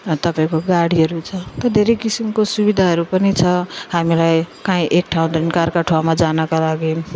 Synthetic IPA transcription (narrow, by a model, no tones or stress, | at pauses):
t̪ʌpaĩkoɡaɽiɦʌɾut͡sʰʌt̪ʌd̪ʱeɾejkisimkosubid̪ʱaɦʌɾupʌnit͡sʰʌhamilajkaĩʔek̚ʈʰaũd̪enkarkaʈʰoamad͡zanʌkalaɡi